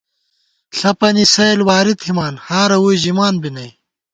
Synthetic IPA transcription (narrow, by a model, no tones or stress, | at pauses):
ɬɐpɐnisɐlwaːɾid̪himaːnhaːɾɐwujʑimaːnbinɐj